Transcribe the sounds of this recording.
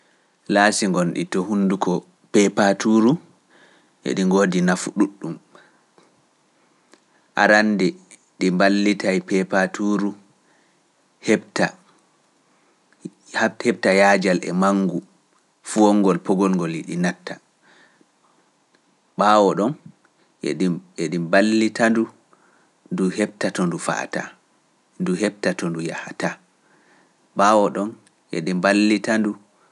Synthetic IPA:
laːsiŋɡɔnɗḭtɔhunːdukʰɔ | pɛpatuɾu | ʔɛ̰ɗiŋɡoːdinafuɗuɗːum | ʔa̰ɾandɛ | ɗimbalːitajpɛpatuɾu | hɛbta | hɛb̚tajaːd͡ʒalʔɛ̰maŋːɡu | fuɔŋːɡɔlpɔɡɔlŋɡɔliɗinatːa | ɓaːwɔɗɔn | ḛɗieɗimbalːitandu | nduhɛb̚tatɔndufa̰ta̰ | nduɦɛb̚tatɔnduja̰hata | ɓaːwɔɗɔn | jḛɗimbalːitandu

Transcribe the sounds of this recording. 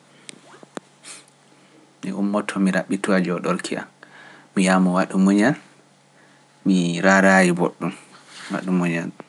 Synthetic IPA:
mḭʔumːɔtʰɔmiɾaɓːituad͡ʒɔɗɔɾkʰia̰n | mijamɔwaɗumuɲan | miɾaɾajiboɗːumwa̰ɗumuɲan

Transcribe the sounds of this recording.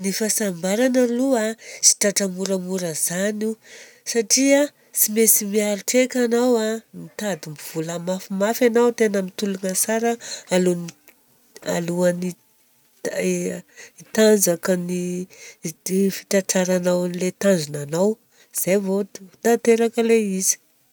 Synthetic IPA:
nifasambaɾanaluasi̥ʈ͡ʂaʈ͡ʂamuɾamuɾəz̥anu | saʈ͡ʂia | simesimiaɾiʈ͡ʂekʲanawamit̪ad̪imbiv̥ulamafimafjanawt̪enəmit̪ulunəsaɾaaluni | a̰luani | it̪and͡zakani | fi̥ʈ͡ʂaʈ͡ʂaɾanawlet̪anzunanaw | z̥ajvot̪t̪at̪eɾakəleizi̥

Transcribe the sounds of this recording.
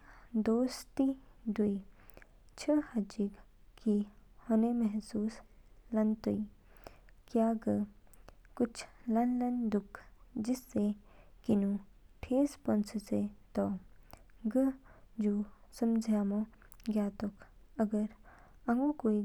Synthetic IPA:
d̪oːst̪id̪ui | t͡ʃʰəhad͡ʒik | kihɔnemɛɦsuːslɐnt̪ui | kjaːɡə | kʊt͡ʃʰlɐnlɐnd̪ʊkʰːd͡ʒɪsːekinu | ʈʰeːspɐnsəset̪ɔ | ɡəd͡ʒuːsɐmd͡ʒʱaːmõ | ɡaːt̪ɔkʰɐɡəɾɐ̃ŋɡukoːi

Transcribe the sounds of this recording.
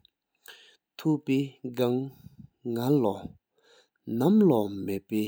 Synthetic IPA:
t̪ʰuʔpeːɡaŋ | ŋalɔ | namlɔmepɛː

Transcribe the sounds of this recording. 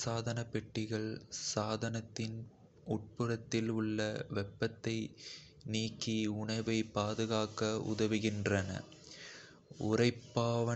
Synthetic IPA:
saːðɐnɐpɛʈːɪɣɐɭsaːðɐnɐt̪ːɪn | ʊʈ̚pɯrɐt̪ːɪlʊɭːɐʋɛpːɐt̪ːɐɪ | niːkːiʊɳɐʋɐɪpːaːðɯɣaːkɐʊ̰ðɐʋɪɣɪndrɐnɐ̰ | ʊrɐɪpːaːʋɐ

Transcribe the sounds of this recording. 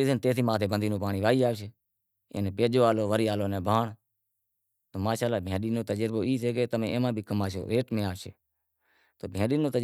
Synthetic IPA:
iːsənt̪eːsiːmãːt̪ʰeːbənd̪iːnõːpaːɳiːʋaːiːaːʋʃ | ḛːneːpeːd͡ʒoːaːloːʋəɾiːaːloːnẽːbʱaːɳ | t̪oːmaːʃaːlaːbʱẽːɗiːnoːt̪əd͡ʒəɾboːiːseːkeːt̪əmẽːeːmãːbʱiːkəmaːʃo̰ːɾeːʈmẽːaːʋʃḛ | t̪oːbʱẽːɗiːnoːt̪ə

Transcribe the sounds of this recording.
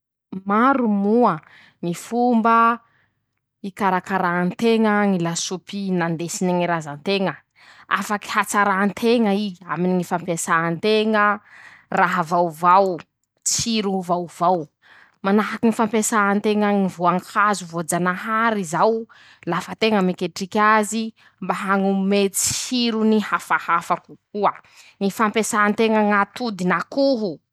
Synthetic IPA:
maɾumuə | ŋifumbə | ikaɾakaɾant̪eŋəŋilasupinand̪esineŋiɾazant̪eŋə | a̰faki̥hat͡saɾant̪ʰeŋəiaminiŋifampesaant̪eŋəraɦavawvaw | t͡shiɾuvawvaw | manaɦakinifampesaant̪eŋəŋivoaŋkazuvod͡zanaɦaɾizaw | lafət̪eŋəmekeʈ͡ʂikʲazi | mbaɦaŋumet͡si̥hiɾunihafahafakukuəŋifampesaːnt̪eŋəŋat̪ud̪inakuɦu

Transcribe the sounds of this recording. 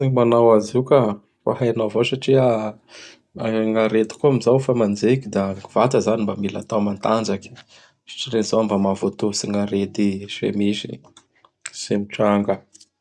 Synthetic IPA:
imanawazuka | fa̰ɦajanawvosaʈ͡ʂia | aŋaɾet̪i̥kuamizawfamand͡zekid̪aŋɡuvat̪əzanimbamila̰t̪awmant̪and͡ʒaki̥ | sḁʈ͡ʂiɾenz̥aambamavot̪usiŋaɾed̪isḛmizi̥̰ | semiʈ͡ʂaŋɡə

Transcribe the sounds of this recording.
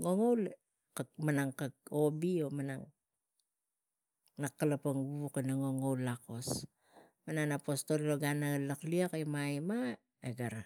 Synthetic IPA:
ŋo̞ŋowl | kamanaŋkako̞bio̞manaŋ | nakːalapaŋɡuβukenaŋo̞ŋowlːako̞s | mananapo̞sto̞lloɡanalakliakemajma | eɡaɾa

